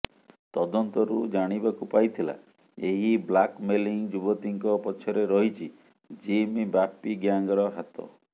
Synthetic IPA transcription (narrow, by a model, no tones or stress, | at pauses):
t̪ɔd̪ɔnt̪ɔɾud͡ʒaɽ̃ibakupajt̪ʰila̰ | eɦiblakmeliŋd͡ʒubɔt̪iŋkɔpɔt͡ʃʰɔɾeɾɔɦit͡ʃʰi | d͡ʒimibapːiɡjaŋɡɔɾɔɦat̪ɔ̰